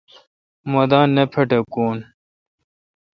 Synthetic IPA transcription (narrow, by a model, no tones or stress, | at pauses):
mɐd̪aːnːɐpʰeʈɐkoːn